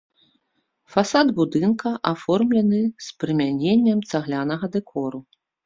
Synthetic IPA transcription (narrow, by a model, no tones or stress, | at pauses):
fasad̪bud̪ɨnkɐʔafɔrmlʲɐnɨspɾɨmʲanʲenʲːɐmt̪saɣlʲanɐɣɐd̪ɛkʰɔɾu